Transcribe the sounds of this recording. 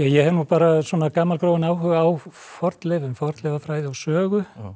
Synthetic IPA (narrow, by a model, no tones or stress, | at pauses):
jajɛhɛvɾnupaːɾaswɔːnakaːmalkɾoːwɪnaːwɦʏːɣaawfɔɾt̪lɛːvʏmfɔɾt̪lɛːvafɾaːjðɪawsœːɣʏ